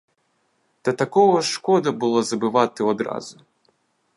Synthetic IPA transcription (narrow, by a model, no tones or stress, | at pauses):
t̪ɐt̪akɔɣɐʂkɔd̪ɐbɨlˠɔzɐbɨvat̪ɨɔd̪ɾa̰zʊ